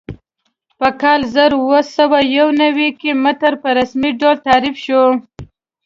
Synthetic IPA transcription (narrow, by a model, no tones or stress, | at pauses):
pəkɑlzəɾwəsawajawnawikemət̪əɾpəɾasmiɖolt̪ɑɾifʃo